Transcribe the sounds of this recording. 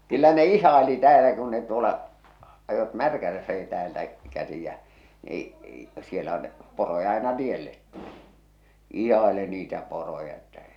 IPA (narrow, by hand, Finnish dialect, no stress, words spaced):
kylːæ ne ihˑɑeli tæːlæ kun ne tuolɑ ɑjot mærkælæsːæki tæːltæ kæsi jæ e e sielːæ on porojɑ ɑinɑ tielːet tuli̥ ihɑeli niːtæ porojɑ etːæ